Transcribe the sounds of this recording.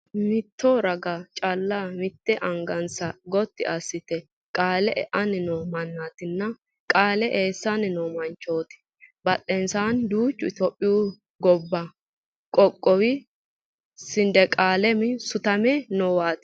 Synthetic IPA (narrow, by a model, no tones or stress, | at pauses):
mɪt̪ːoɾɐɡɐt͡ʃʼɐlːamɪt̪ːɛʔɐŋɡɐnsɐɡɔt̪ːɪ̰ɐsːɪt̪ɛ | kʼaːlɛʔɛ̰ʔɐnɪnoːmɐnːaːt̪ɪnːɐ | kʼaːlɛʔeːsːanɪnoːmɐnt͡ʃːo̞ːt̪ɪ̥ | bɐt̪ʼːɛnsaːnd̪uːt͡ʃːʊɪt̪opʼːɪju | ɡɔbːɐ | kʼɔkʼːɔwɪ | sɪnd̪ɛkʼaːlɛmɪsʊt̪ɐmɛnɔwaːt̪ɪ̥